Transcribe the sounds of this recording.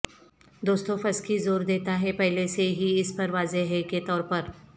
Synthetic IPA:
d̪oːst̪õfɐskizoːɾd̪eːt̪aɦɛpɛɦleseɦiɪspɐɾʋaːzeɦɛket̪ɔːɾpɐɾ

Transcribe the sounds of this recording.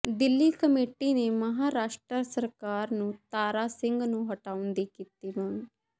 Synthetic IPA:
d̪ɪlːiːkəmeːʈiːneːməɦaːɾaːʃʈɾəsəɾkaːɾnũːt̪aːɾaːsɪ̃ŋɡnũːɦəʈaːʊnd̪iːkiːt̪iːbəŋ

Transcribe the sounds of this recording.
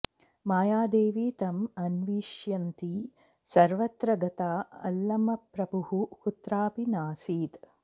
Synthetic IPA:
maːjaːd̪eːʋiːt̪ɐmɐnʋiːʃjɐnt̪i | sɐɾʋɐt̪ɾɐɡɐt̪aːɐ̰lːɐmɐpɾɐbuhuhut̪ɾaːpinaːsiːt̪

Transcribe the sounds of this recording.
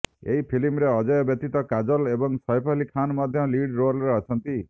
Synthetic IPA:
ḛɦipʰilimɾeɔd͡ʒɔjɔbjɔt̪it̪ɔkad͡ʒɔlebɔŋsɔjpʰɔlikʰːanmɔd̪ʱjɔliɖɾolɾeɔt͡ʃʰɔnt̪i

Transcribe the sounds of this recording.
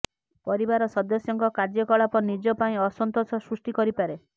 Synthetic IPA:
pɔɾibaɾɔsɔd̪ɔsjɔŋkɔkaɾd͡ʒjɔkɔɭapɔnid͡ʒɔpaĩɔsɔnt̪osɔsɾusʈikɔɾipaɾe

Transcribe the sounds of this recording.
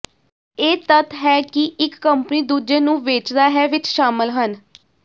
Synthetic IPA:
eːt̪ət̪ɦɛːkiɪkːəmpəniːd̪uːd͡ʒeːnũːʋeːt͡ʃd̪aːɦɛːʋɪt͡ʃʃaːməlɦən

